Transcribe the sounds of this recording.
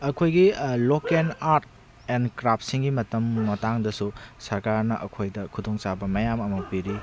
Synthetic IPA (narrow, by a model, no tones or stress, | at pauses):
ɐkʰojɡilokenaɾt̚ | enkɾap̚ʰsiŋɡimɐtɐmːɐtaŋdɐsusɐɾkaɾnɐʔɐkʰojdɐkʰudoŋt͡ʃabɐmɐjamɐmɐk̚piɾi